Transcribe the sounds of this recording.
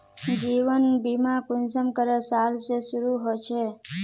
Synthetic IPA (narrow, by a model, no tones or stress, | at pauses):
d͡ʒiʋənbimãkunsəmkəɾesalsesuɾuɦojt͡ʃʰe